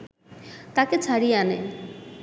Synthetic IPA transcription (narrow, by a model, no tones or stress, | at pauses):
t̪aket͡ɕʰaɽianḛ